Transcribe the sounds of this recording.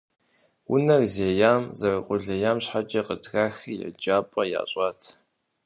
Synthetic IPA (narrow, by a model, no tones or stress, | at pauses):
wʊ̰nɐrzeːjaːmzɐrɨqʷʼʊɮɐjaːmɕħat͡ʃʼɐqədɣaːxijɛ̰d͡ʒaːpʼɐja̰ːɕʼaːtʰ